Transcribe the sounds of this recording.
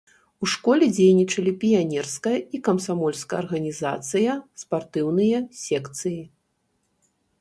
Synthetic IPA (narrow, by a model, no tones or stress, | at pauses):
uʂkɔlʲɛd͡zʲejnʲit͡ʂɐlʲipʲijanʲɛrskɐjɐikɐmsamɔlʲskɐjɐ̰rɣɐnʲiza̰t̪sɨjɐspart̪ɨwnɨjɐsʲɛkt̪sɨji